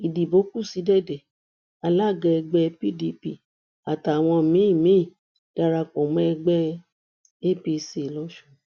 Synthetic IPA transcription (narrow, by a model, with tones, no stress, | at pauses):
i˨di˨bo˨˦ku˦˨si˨˦dɛ˦˨dɛ˨ | a˧la˦˨ɡɛ˧ɛ˧ɡ͡bɛ˧pi˦˨di˧˦pi˦˨ | a˨ta˨w̃ɔ̃˧˨mĩ˨˦i˦˨mĩ˨˦˨ | d̥a˧ɾa˧k͡pɔ˨mɛ̃˦ɛ˧ɡ͡bɛ˦ | e˦pi˧si˨lɔ˨˦ʃu˧˨